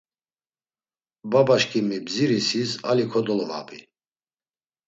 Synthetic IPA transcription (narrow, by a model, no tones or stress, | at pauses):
babaʃkʰimibziɾisisa̰likʰɔd̪ɔlɔva̰ːpi